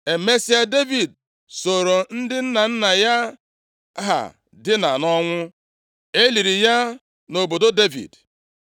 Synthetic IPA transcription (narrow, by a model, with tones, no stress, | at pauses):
e˨me˦si˦a˦de˦vi˨d̚ | so˨ɾo˨n̩˦dɪ˦n̩˦na˨n̩˦na˨ja˦ | ɦa̰˨ | dɪ˦na˨nɔ˦ŋʷʊ˦ | e˦li˨ɾi˨ja˦ | no˨bo˨do˦de˦vḭ˨d